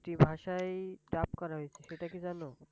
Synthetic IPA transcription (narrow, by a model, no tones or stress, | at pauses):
ʈibʱaʃajɖapkɔɾaɦojt͡ɕʰeʃeʈakid͡ʑano